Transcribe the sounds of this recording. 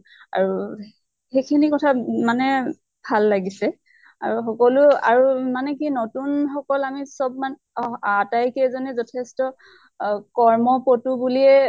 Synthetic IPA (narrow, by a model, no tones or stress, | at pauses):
a̰ɹu | xejkʰinikɔtʰamanɛ | bʱalːaɡisɛ | a̰ɹuxɔkɔlʊa̰ɹumanɛk̬inotunxɔkɔlamisɔbman | atajkɛzɔnɛzɔtʰɛstɔ | kɔɹmɔpɔtubuliɛ